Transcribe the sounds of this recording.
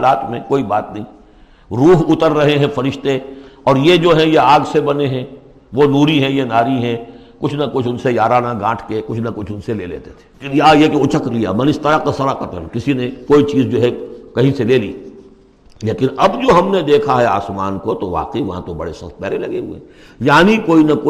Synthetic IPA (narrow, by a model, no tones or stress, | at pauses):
laːt̪mẽkoːibaːt̪nɐɦĩː | ɾuːɦʊt̪əɾːɐɦeɦɛ̃fɐɾɪʃt̪eɔːɾjed͡ʒoːɦɛ̃jeaːɡsebɐneɦɛ̃ | ʋonuːɾiɦɛ̃jenaːɾiɦɛ̃ | kʊt͡ʃʰnɐkʊt͡ʃʰʊnsejaːɾaːnaɡãːʈʰkekʊt͡ʃʰnɐkʊt͡ʃʰʊnselḛːlḛːt̪et̪ʰe̥kɪnjajekeʊt͡ʃəklija̰ːmɐ̃nɪst̪əɾakasɐɾaqɐt̪əlkɪsinekoːit͡ʃiːzd͡ʒoːɦɛkɐɦĩseleːlḭː | leːkɪnɐbd͡ʒoːɦɐmned̪eːkʰaɦɛa̰ːsmaːnkot̪oʋa̰ːqiʋɐɦã̰t̪obɐ̰ɽeʃɐ̰̃t̪̚pɛːɾelɐɡeɦṵḛ | jaːnikoːinɐkoː